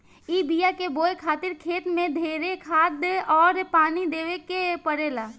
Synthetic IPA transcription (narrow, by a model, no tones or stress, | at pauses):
ibijakeboːekʰaːt̪ɪɾkʰeːt̪mẽd̪ʱeːɾekʰaːt̪̚d̪eʔɔːɾpaːnid̪eːʋekepəɽelaː